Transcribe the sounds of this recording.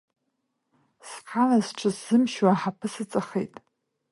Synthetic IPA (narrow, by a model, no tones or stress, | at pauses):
sqʰanazʈ͡ʂʰɨszɨmʃwaħapʰɨsɨt͡sʼaχḛjtʼ